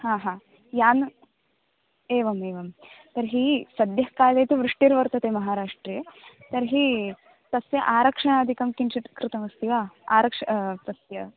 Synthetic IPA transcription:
haːɦãː | jaːn | eːʋɐmeːʋɐmt̪ɐɾɦiːsɐd̪jɐkaːjlejt̪ʰiʋɾuʂʈiɾʋɐɾt̪ɐt̪emɐɦaːɾaːʂʈɾet̪ɐɾɦiː | t̪ɐsjɐʔaːɾɐkʂɐɳaːd̪ʱikɐmkinʂit̪kɾɪt̪ɐmɐst̪iʋaːaːɾɐkʂɐt̪ɐsjɐ

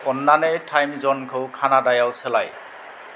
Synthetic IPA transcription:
ɔnːanɛjtʰajmzɔnkʰowkʰanadajawsɛlaj

